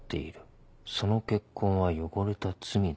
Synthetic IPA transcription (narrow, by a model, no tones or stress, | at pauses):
t̪ːe̞̰iɾɯ̟ | so̞no̞ke̞kʰːõ̞ɰ̃βajo̞ɡo̞ɾe̞t̪at͡sɨmʲi